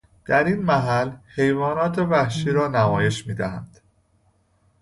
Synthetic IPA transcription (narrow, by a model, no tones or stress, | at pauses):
d̪̥æɾinmæɦælhe̞jvɒːnɒːt̪ʰe̞væhʃiːɾɒːnæmɒːje̞ʃmiːd̪æhæ̰nd̪̥